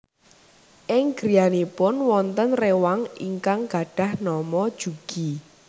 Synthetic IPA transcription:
ʔɪŋɡ̥ɾijanepʊnwɔnt̪ənrewaŋḭŋkaŋɡ̥a̤ɖ̥ä̤hnɔmɔd̥ʒ̥uɡ̥i

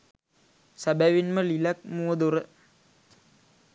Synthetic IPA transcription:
sabæʋinməlilak̚muːəd̪uɾə

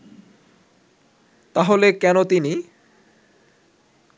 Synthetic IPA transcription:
t̪aɦolekɛnot̪ini

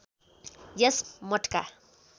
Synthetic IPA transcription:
jesmɔʈʰka̰

